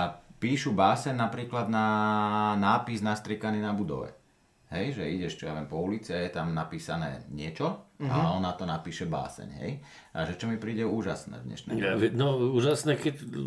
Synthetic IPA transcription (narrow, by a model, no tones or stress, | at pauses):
apiːʃubaːsɛɲnapɾiːklad̪na | naːpiznast̪ɾikaniːnabud̪ɔ̰ʋɛ̰ | ɦɛjʒɛiɟɛʃt͡ʃɔjaʋɛmpɔulit͡siajɛt̪amnapiːsanɛ̰ːɲɪɛt͡ʃɔa̰lɛɔnːat̪ɔnapiːʃɛba̰ːsɛ̰ɲɦɛ̰j | ʔa̰ʒɛt͡ʃɔmipɾiːɟɛuːʒasnɛ̰ːd̪ɲɛ̰ʃnɛ̰nɔuːʒasnɛkɛc